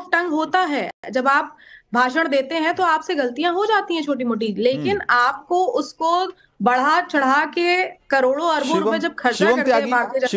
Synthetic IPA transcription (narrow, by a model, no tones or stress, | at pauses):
fʈɐ̃ŋɡɦoːt̪aɦɛːd͡ʒɐbaːp̚bʱaːʃəɽ̃d̪eːt̪eɦɛ̃t̪oaːpseɡɐlt̪ijãɦod͡ʒaːt̪ĩɦɛ̃t͡ʃʰoːʈ̬imoːʈ̬iːleːkɪnaːp̚koʊsko | bɐɽ̤at͡ʃɐɽ̤akekɐɾoːɽoɐɾboɾpẽd͡ʒɐb̚kʰɐɾt͡ʃkɐɾeɦɛbaːɾt̪ed͡ʒɐ